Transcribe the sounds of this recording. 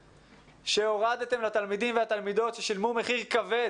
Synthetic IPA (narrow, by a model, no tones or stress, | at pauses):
ʃeoʁad̪et̪e̞mlat̪almid̪imveat̪almid̪o̞t̪ʃe̞ʃilmume̞χiʁkave̞